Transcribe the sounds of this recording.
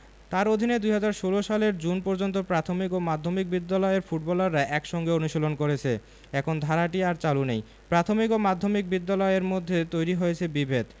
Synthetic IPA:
t̪aɾod̪ʱined̪ujɦad͡ʑaɾʃoloʃaleɾd͡ʑunpɔɾd͡ʑont̪̬opɾat̪ʰomikomad̪ʱːomik̚bid̪ːalɔeeɾfuʈ̚bɔlaɾːaʔɛkʃɔŋɡeonuʃolonkoɾet͡ɕʰe | ɛkʰond̪ʱaɾaʈiaɾt͡ɕalunej | pɾat̪ʰomikomad̪ʱːomik̚bid̪ːalɔeeɾmod̪ʱːet̪ojɾiɦojet͡ɕʰebibʱed̪

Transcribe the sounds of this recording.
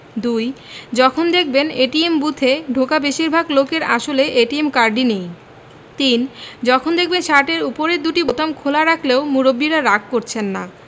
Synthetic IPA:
d̪uj | d͡ʑɔkʰond̪ek̚ʰbeneʈiembut̪ʰeɖʱokabeʃiɾbʱaɡlokeɾa̰ʃoleʔeʈiemkaɾɖinej | t̪ind͡ʑɔkʰond̪ek̚ʰbenʃaʈeɾupoɾeɾd̪uʈibot̪amkʰolaɾakʰleomuɾobːiɾaɾak̚koɾt͡ɕʰenːa̰

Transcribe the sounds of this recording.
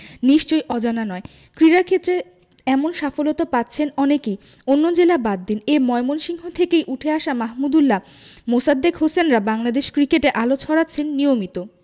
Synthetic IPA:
niʃt͡ɕojʔɔd͡ʑananɔe | kɾiɾaɾkʰet̪ːɾe | ɛmonʃafolot̪apat̪ːɕʰenɔneke | onːod͡ʑelabad̪ːineɾmɔemonʃiŋɦot̪ʰekejʔuʈʰeaʃamaɦmud̪ulːa | mosad̪ːekɦosenɾabaŋlad̪eʃkɾikeʈeʔalot͡ɕʰɔɽatːɕʰenːijomit̪o

